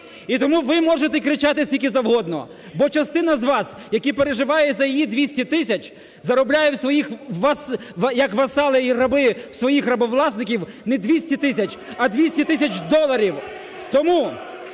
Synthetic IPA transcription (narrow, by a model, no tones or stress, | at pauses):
it̪ɔmuʋɪmɔʒet̪ɛkɾɪt͡ʃɑt̪ɪsʲikʲizɐwɦɔd̪nɔ̰ | bɔt͡ʃɐst̪ɪn̪ɐzʋɑsjɐkʲipeɾeʒɪʋɑjɛzɐjijid̪ʲʋʲisʲtʲit̪ɪsʲɐt͡ʃ | zɐɾɔblʲajɛwsʋɔjixʋɐsʋjɐkʋɐsɑlˠɪjiɾɐbɪwsʋɔjixrɐbɔʋlˠɑsnɪkʲiwnɛd̪ʲʋʲisʲtʲit̪ɪsʲɐt͡ʃɐd̪ʲʋʲisʲtʲit̪ɪsʲɐt͡ʃd̪ɔlˠɐɾʲiw | t̪ɔmu